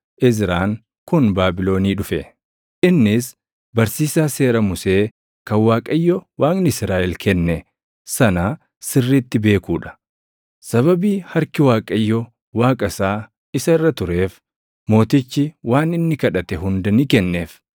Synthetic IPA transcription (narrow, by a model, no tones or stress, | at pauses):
ʔɪzɾaːŋ | kʊnbaːbɪlo̞ːniːᶑʊfɛ | ʔɪnːɪs | bɐɾsiːsaːse̞ːɾɐmʊse̞ː | kɐnwaːkʼɐjːɔwaːnnɪsɾaːʔɛlkʰɛnːɛ | sɐnaː | sɪrːiːt̪ːɪbe̞ːkuːᶑɐ̥ | sɐβɐbiːhɐɾkɪwaːkʼɐjːɔ | waːkʼɐsaː | ɪsɐɪrːɐt̪ʊɾe̞ːf | mo̞ːt̪ɪt͡ʃːɪwaːnɪnːɪkɐᶑɐt̪ɛɦʊnd̪ɐnikɛnːe̞ːf